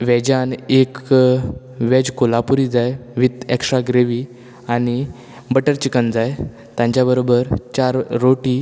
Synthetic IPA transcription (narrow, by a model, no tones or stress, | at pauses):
ʋɛd͡ʑanek | ʋɛd͡ʑkolapuɾid͡zajʋit̪ɛkʂaɡɾeʋi | ani | bəʈəɾt͡ɕikənd͡zaj | t̪jãɲt͡ɕabəɾobəɾt͡ɕaɾːoʈi